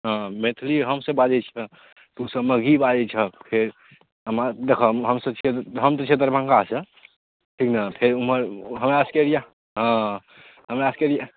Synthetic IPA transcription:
ɦãmet̪ʰliɦəmsə̃bad͡ʒɛt͡ʃʰə | t̪usəməɡibad͡ʒɛt͡ʃʰəpʰeɾ | əmad̪ekʰəmɦəmsəbt͡ʃʰet̪ɦəmt̪ət͡ʃʰet̪̬əɾbʱə̃ŋkasə̃ | ʈʰiknapʰeɾuməɾɦəmeaskeɾija | ɦã | ɦəmeaskeɾija

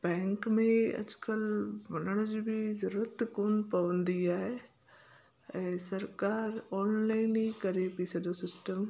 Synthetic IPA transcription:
bɛ̃ːŋkmẽɐ̰d͡ʒkəlʋɐnəɽ̃d͡ʑbʱɪzɐɾuːɾət̪koːnpɐʋə̃nd̪iaːɦe | ɛ̃ːsɐɾkaːɾɔːnlaːɪnikɐɾepiːsɐd̪osɪsʈəm

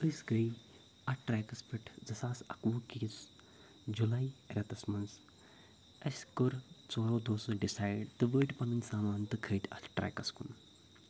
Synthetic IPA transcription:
əsɡɐj | ɐʈɾajkɐspʲiʈʰd͡zɐsaːsɐkʋukis | d͡ʒulaːiɾʲat̪ɐsmɐns | ɐsʲkoɾt͡soːɾoːd̪oːsɐɖisaːjɖt̪ɨʋəːʈpɐninʲsaːmaːnt̪ɨkʰəːʈ̪ʲʰɐ̰sʈɾa̰jkɐskṵn

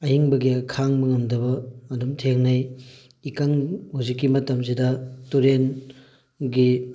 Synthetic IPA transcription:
ɐhiŋbɐɡiɐkʰaŋbɐŋɐmdɐbɐːdumtʰeŋnɐj | ikaŋhuwzikːimɐtɐmsidɐtuɾen | ɡi

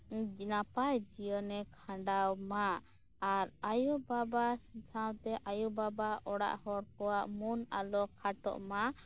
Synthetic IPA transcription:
napajd͡ʒijənɛkʰãɳɖawma | aɾajubabasĩtʰawt̪ɛʔajubabaʔɔɽa̰ʔhɔɾkɔwaʔmunalɔkʰaʈɔ̰ʔma

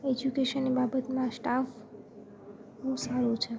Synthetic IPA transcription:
ed͡ʒukeʃənːibabət̪mãsʈaf | ɦũsaɾut͡ʃʰe

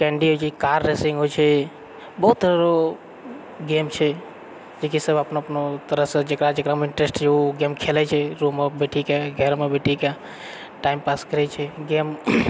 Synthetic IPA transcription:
kɛ̃ɳɖiɦojt͡ʃʰɛkaɾːesĩŋɡɦojt͡ʃʰɛ | bəɦut̪ːəɾo | ɡemt͡ʃʰɛ | d͡ʒekisəbəpnoəpnot̪əɾəɦsẽd͡ʒekɾad͡ʒekɾameiɳʈɾesʈt͡ʃʰeuɡemkʰelɛt͡ʃʰɛɾumːebeʈʰikeɡʱɛɾmebeʈʰike | ʈaimpaskəɾɛt͡ʃʰɛɡem

